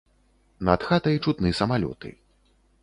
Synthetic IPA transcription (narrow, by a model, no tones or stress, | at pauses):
nat̪xat̪ɐjt͡ʂut̪nɨsɐmalʲɔ̰t̪ɨ̰